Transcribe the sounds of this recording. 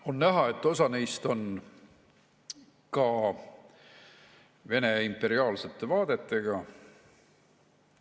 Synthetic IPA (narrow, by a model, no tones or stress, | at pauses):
o̞nːæɦɑe̞t̪ːˑo̞sɑnejst̪o̞n | kɑ | ve̞ne̞impːe̞ɾiɑːlse̞t̪ˑːe̞vɑːd̪̥e̞t̪ːˑe̞ɡ̥ɑ